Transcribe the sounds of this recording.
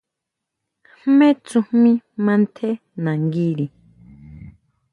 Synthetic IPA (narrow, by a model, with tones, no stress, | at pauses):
hmẽ˦t͡su˧hmĩ˦mã˧nt̪ʰe˦ | nã˨ŋɡi˦ɾi˨